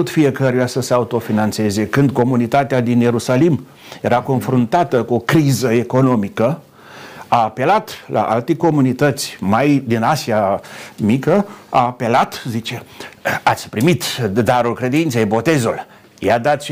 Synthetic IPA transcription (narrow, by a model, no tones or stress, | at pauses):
ut̪fie̞kəɾujasəseaut̪o̞finant̪se̞ze̞kɨnd̪̚ko̞munit̪at̪ead̪inje̞ɾusalim | je̞ɾako̞nfɾunt̪at̪əkuo̞kɾizəe̞ko̞no̞mikə | aːpe̞lat̪lʔa̰ʔa̰lt̪eko̞munit̪ət̪sʲmajd̪inasiamikəaːpe̞lat̪zit͡ʃeat̪sʲpɾimit̪d̪aɾulkɾe̞d̪int̪sejbo̞t̪e̞zul | jad̪at̪sʲ